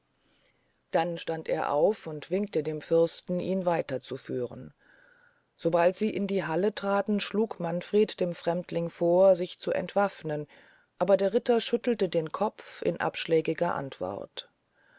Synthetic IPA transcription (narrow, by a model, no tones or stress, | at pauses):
d̥anʃtanteːɐʔa̰ʊfʊntv̥ɪŋk̚tədeːmfʏɐstn̩iːnvaɪtɐt͡sufyːʁə̰n | z̥obaltz̥iːʔɪndiːɦalətʁ̥aːtn̩ʃluːkmanfʁ̥eːtd̥eːmfʁ̥ɛmtʰlɪŋfoːɐzɪçt͡suʔɛ̰ntv̥afnən | ʔaːbɐdeːɐʁɪtɐʃʏtl̩tədeːnkʰɔpp͡fɪ̰nʔa̰pʃlɛːɡɪɡɐʔa̰ntv̥ɔ̰ʁt